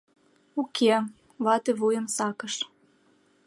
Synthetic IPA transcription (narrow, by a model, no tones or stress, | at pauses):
ukʰe | βɑt̪ĕβujəmsɑkəʃ